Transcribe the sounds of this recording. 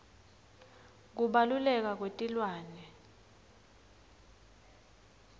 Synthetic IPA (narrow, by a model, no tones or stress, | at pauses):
k̬uɓalulɛk̬ak̬wetʼilwaːnɛ